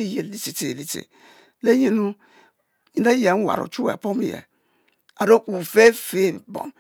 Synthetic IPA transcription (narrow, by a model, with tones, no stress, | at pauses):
i˦je˨li˦si˨te˨li˦tḛ˨ | le˦je˦nu˦ | i˨˦da˦ja˨˦wa̰˨ɾo̰˨t͡ʃu˦wa̰˨po˦m˨jḛ˨ | a˨ɾo˦ku˨fe˦fe˦bo̰˨m